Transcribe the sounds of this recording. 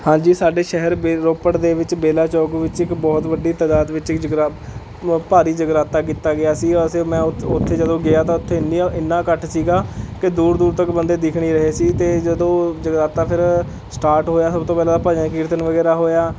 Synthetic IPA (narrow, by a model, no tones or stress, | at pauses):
hãːd͡ʒiːsaːɖeːʃɛɦəɾbeɾoːpəɽd̪eːʋɪt͡ʃbeːlaːt͡ʃɔːkʋɪt͡ʃɪkbɔːt̪ʋəɖiːt̪ad̪aːt̪ʋɪt͡ʃɪkd͡ʒəɡɾaː | paːɾiːd͡ʒəɡɾaːt̪aːk̬iːt̪ːaːɡɪaːsiːɔseːmɛ̃ːʊʊt̪ʰːeːd͡ʒəd̪õːɡɪaːt̪ãːʊt̪ʰːeːɪniɪnːãːkəʈʰsiːɡaːkɪd̪uːɾd̪uːɾt̪əkbənd̪eːd̪ɪkʰɽiːɾəɦeːsiːt̪eːd͡ʒəd̪õːd͡ʒəɡɾaːt̪aːpʰɪɾ | sʈaːɾʈɦoːjaːsəbt̪õːpɛːlaːapaːd͡ʒãːkiɾt̪ənʋəɡɛːɾaːɦoːjaː